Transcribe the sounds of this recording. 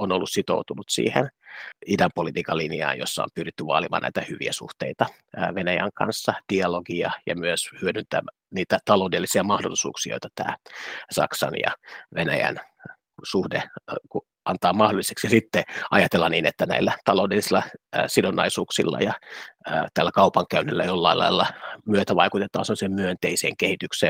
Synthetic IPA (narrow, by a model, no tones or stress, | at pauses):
onolːussit̪o̰ut̪unut̪sḭːhenidæmpolit̪iːkɑlːiniɑ̰ːjosːɑo̰mpyrit̪ːyʋɑ̰ːlimɑ̰næ̰it̪æhyʋḭæsṵht̪eit̪ɑ | ʋenæjæŋkɑ̰nsːɑd̥iɑloɡiɑjɑ̰myøshyødynt̪æ̰ | niːt̪æt̪ɑloudelːisiæmɑhdolːˑisṵːksio̰it̪ɑt̪æ̰ːsɑ̰ksɑnjɑ̰ʋenæ̰jæ̰n | suhdeku | ɑnt̪ɑːmɑhdolise̥ksjɑsit̪ːeɑjɑt̪elːɑniːnet̪ːænæ̰ilːæt̪ɑloudelːisilːɑsidonɑ̰isuːksilːɑ̰jɑəːt̪ælːækɑupɑŋkæynːilːæjolːɑilɑ̰ilːɑmyøt̪æʋɑikut̪et̪ˑɑ̰ːnselːˑsemmyønt̪eisḛːŋkehit̪ykseː